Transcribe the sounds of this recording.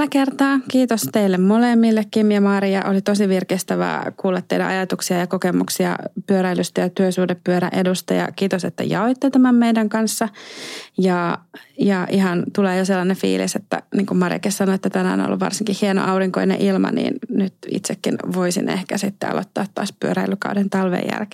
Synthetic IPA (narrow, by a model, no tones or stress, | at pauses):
lːækert̪ɑːkiːt̪ost̪eilːemmolemːilːekːimmiɛmɑːɾiɑʔolit̪osiʋirkest̪æʋæ̰ːkuːlːɑt̪ːeidæ̰ɑ̰jɑt̪uksiɑjɑkokemuksiɑ̰pyøɾæilyst̪æjɑt̪yøsuhdeppyøɾæ̰ʔedust̪ɑ̰jɑ̰kiːt̪oset̪ːæ̰jɑoit̪ːet̪æmæmmeidæŋkɑnsːɑjɑjɑʔihɑnt̪uleːjoselːɑnefḭːliset̪ːæ̰niːŋkummɑrjɑ̰kissɑnoet̪ːæt̪ænæo̰no̰lːṵʋʋɑ̰rsiŋkihhieno̰ʔɑuriŋkoinḛʔilmɑ̰nḭːnnyt̪ḭt̪sekːinʋoisḭnḛhkæsit̪ːḛɑ̰lo̰t̪ːɑːt̪ːɑ̰ːspyøɾæilːykɑudent̪ɑlʋḛjːæ̰lke̥